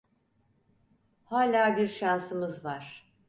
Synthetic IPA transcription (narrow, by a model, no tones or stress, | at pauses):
haːlʲaːbiɾʃansɯmɯzvaɾ̥